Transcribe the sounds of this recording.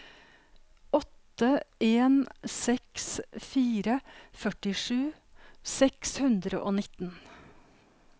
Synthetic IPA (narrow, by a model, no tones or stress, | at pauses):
ɔt̪əeːnsɛksfiːɾəfœʈɪʂʉːsɛkshʉnd̪ɾəʔoːnɪt̪n